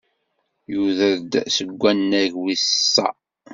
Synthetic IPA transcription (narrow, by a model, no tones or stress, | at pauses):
juðəɾd̪səɡʷːænːæʝwissːæ̰